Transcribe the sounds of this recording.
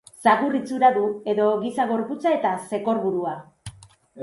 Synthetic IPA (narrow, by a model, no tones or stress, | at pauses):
saɣurit͡suɾaðue̞ðo̞ɣisaɣ̞o̞ɾput͡sae̞t̪ase̞ko̞ɾβuɾua